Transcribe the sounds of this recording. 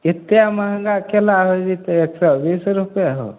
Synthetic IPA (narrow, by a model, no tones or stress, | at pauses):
it̪ːjamaɦəŋɡaʔkelaɦod͡ʒit̪ɔeksɔbisɾupjaɦo̰